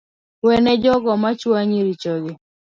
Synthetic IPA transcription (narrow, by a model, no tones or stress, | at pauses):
wɛnɛd͡ʒɔɡɔmat͡ʃwaɲiɾit͡ʃɔɡɪ